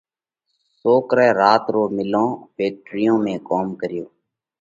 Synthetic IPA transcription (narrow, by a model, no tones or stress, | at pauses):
soːkɾɛːɾaːt̪ɾoːmɪlõːbeːk̚ʈɾɪjõːmẽːkoːmkəɾɪjoː